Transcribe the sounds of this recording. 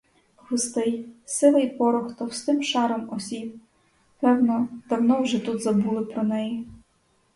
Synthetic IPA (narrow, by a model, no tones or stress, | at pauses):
ɣʊst̪ɪjsɪlˠɐjpɔɾʊxt̪ɔwst̪ɪmʃɑɾɔmɔsʲib̚ | pɛwnɔd̪̥ɐwnɔwʒɛt̪ud̪zɐbulˠɪpɾɔnɛji